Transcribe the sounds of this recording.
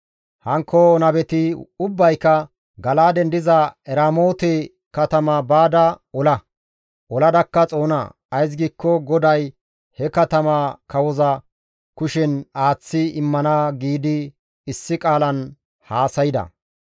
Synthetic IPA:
hɐŋkːɔnɐbɛt̪ɪʊbːɐjkːɐ | ɡɐlaːd̪ɛnd̪ɪzɐɛɾaːmo̞ːt̪ɛ | kɐt̪ɐmɐbaːd̪ɐɔlɐ | ʔɔlɐd̪ɐkːɐt͡sʼo̞ːnɐ̰ | ɐjs̬ɡiːkːɔɡɔd̪ɐj | hɛkɐt̪ɐmɐkɐwɔzɐ | kʊʃɛnaːt͡sːɪɪmːɐnaːɡiːd̪ɪ | ɪsːɪkʼaːlɐn | haːsɐjɪd̪ɐ̰

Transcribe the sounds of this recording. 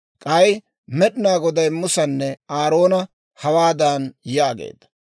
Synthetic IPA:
kʼɐj | mɛɗɪnaːɡɔd̪ɐjmːʊsɐnːɛaːɾo̞ːnɐ | hɐwaːd̪aːnjaːɡḛːd̪ːɐ̥

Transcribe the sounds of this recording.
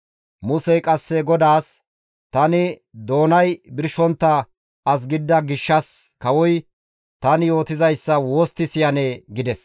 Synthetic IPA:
mʊsɛjkʼɐsːɛɡɔd̪aːs | t̪ɐnɪd̪o̞ːnɐjbɪɾʃɔnt̪ːɐ | ɐs̬ɡɪd̪ːɐɡɪʃːɐskɐwɔj | t̪ɐnɪjo̞ːt̪ɪzɐjsːɐwo̞ːst̪ːɪsɪjɐneːɡɪd̪ɛs

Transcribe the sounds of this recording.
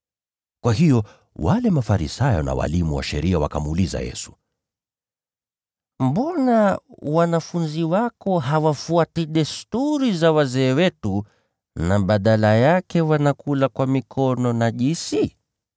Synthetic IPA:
kwaɦijɔ | walɛmafaɾḭsajɔna̰wa̰limuwa̰ʃɛ̰ɾiawa̰kamuːliza̰jɛ̰su̥ | m̩bɔnawanafunziwakɔɦawafuatiɗɛstuɾizawazɛːwɛtu | naɓaɗalajakɛwanakulakwamikʰɔnɔnaʄisi

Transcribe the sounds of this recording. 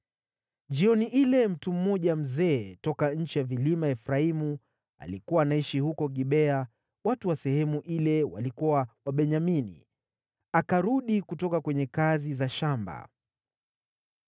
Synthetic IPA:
ʄd͡ʒiɔniʔilɛm̩tum̩ːɔʄam̩zɛːtɔkaɲ̩t͡ʃijavilimaɛfɾaimu | a̰likuwaːnaiʃihukɔɠiɓɛa | watuwasɛhɛmuʔilɛwa̰likuwawaɓɛɲaminḭ | akaɾuɗikutɔkakwɛɲɛkazizaʃamba̰

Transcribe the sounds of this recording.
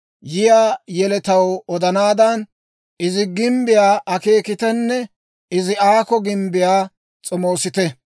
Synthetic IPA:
jɪjaːjɛlɛt̪ɐwɔd̪ɐnaːd̪ɐn | ɪzɪɡɪmbɪjaːʔɐke̞ːkɪt̪ɛnːɛ | ɪzɪaːkɔɡɪmbɪjaː | t͡sʼɔmo̞ːsɪt̪ɛ

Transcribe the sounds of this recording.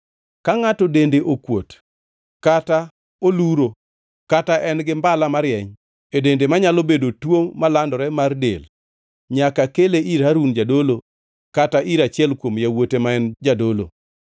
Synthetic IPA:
kaŋatɔdendeʔokwot | kata | oluɾo | kataʔɛnɡɪmbalamaɾjɛɲ | edendemaɲalobedotwoŋmalandɔɾɛmardḛl | ɲakakeleʔiɾhaɾund͡ʒadolo | kataʔiɾat͡ʃɪɛlkwomjawotemaɛnd͡ʒadolo̰

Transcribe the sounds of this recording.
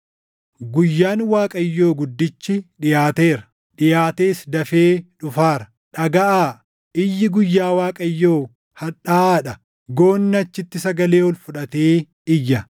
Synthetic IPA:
ɡʊjːaːnwaːkʼɐjːo̞ːɡʊd̪ːɪt͡ʃːɪᶑɪjaːt̪eːɾɐ̥ | ᶑɪjaːt̪eːsd̪ɐfeːᶑʊfaːɾɐ̥ | ᶑɐɡɐʔaː | ɪjːɪɡʊjːaːwaːkʼɐjːoː | hɐᶑaːᶑɐ | ɡo̞ːnːɐt͡ʃːɪt̪ːɪsɐɡɐle̞ːɔlfʊᶑɐt̪eː | ɪjːɐ

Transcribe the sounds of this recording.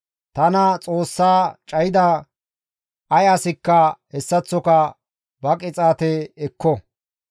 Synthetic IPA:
t̪ɐnɐt͡sʼoːsːaːt͡ʃʼɐjɪd̪a | ʔɐjaːsɪkːɐhɛsːɐt͡sːɔkɐ | bɐkʼɪt͡sʼaːt̪ɛɛkːɔ

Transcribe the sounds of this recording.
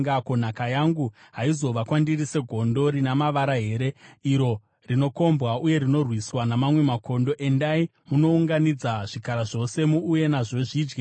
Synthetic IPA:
ŋɡako̞nakajaŋɡu | ɦaizo̞ʋakwandirise̞ɡʱo̞ndo̞ɾinamaʋaɾaɦe̞ɾe̞iɾo̞ | rino̞ko̞mbɣauje̞ɾino̞rwiswanamamwe̞mako̞ndo̞ʔe̞ndai | muno̞uŋɡanid͡zaʐ̥ikaɾaʐo̞se̞muuje̞naʐo̞ʐiːd͡ʒɡe

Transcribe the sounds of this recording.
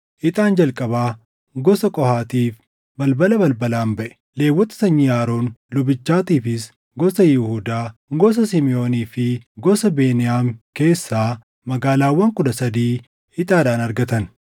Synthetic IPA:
ʔɪt̪ʼaːnd͡ʒɐlkʼɐbaː | ɡɔsɐkʼɔhaːt̪iːf | bɐlbɐlɐbɐlbɐlaːmbɐʔɛ̥ | le̞ːwːɔt̪ɪ̥sɐɲːɪjaːɾoːnlʊbɪt͡ʃːaːt̪iːfɪs | ɡɔsɐjɪhuːd̪aːɡɔs̬ɐsɪmɪo̞ːniːfɪɡɔsɐbe̞ːnɪjaːmke̞ːsːaː | mɐɡaːlaːwːɐŋkʊd̪ɐsɐd̪iː | ɪt̪ʼaːd̪aːnɐɾɡɐt̪ɐn

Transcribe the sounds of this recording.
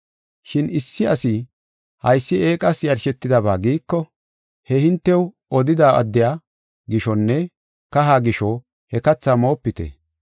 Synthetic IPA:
ʃɪnɪsːɪɐsɪ | hɐjsːɪeːkʼɐsjɐɾʃɛt̪ːɪd̪ɐβaːɡiːkːɔ | hɛhɪnt̪ːɛw | ɔd̪ɪd̪aːʔɐ̰d̪ːɪjaː | ɡɪʃɔnːɛ | kɐɦaːɡɪʃɔ | hɛkɐt͡sːaːmo̞ːpːɪt̪ɛ̰

